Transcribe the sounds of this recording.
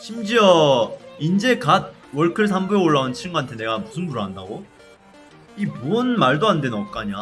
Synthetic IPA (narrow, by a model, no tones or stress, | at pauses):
ɕʰimd͡ʑiʌind͡ʑe̞kat̚ | wʌɭkʰɯɭs̬ʰambueoɭːaɡant͡ɕʰiɾŋɡoantʰe̞ne̞ɡamusʰɯnbuɾɯɦandaɡo | imonmaɭdoande̞nɯnʌp̚k͈aɲa